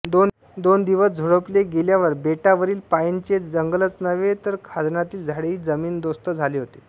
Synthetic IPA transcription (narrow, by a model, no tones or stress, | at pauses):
d̪o | d̪ond̪iʋəsd͡zʱoɽəpleɡeljaʋəɾbeʈaʋəɾiːlpajnt͡ɕed͡zəŋɡələt͡snəʋet̪əɾkʰad͡znat̪iːld͡zʱaɽeɦiːd͡zəmiːnd̪ost̪əd͡zʱaleɦot̪e̥